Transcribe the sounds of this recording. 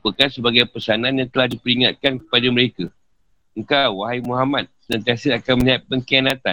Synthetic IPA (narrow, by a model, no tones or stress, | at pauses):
pəkansəbaɡajpəsanãnjaŋt̪əlahdipəɾiŋat̪̚kankə̥padaməɾeka | əŋkawwaɦaimũɦamat̪̚sənãnt̪asəakanmə̃niɦat̪̚pəŋkianãt̪an